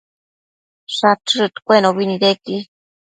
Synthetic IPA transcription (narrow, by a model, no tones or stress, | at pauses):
ʂaʈ͡ʂɨt̪kʷenoβiniɾeki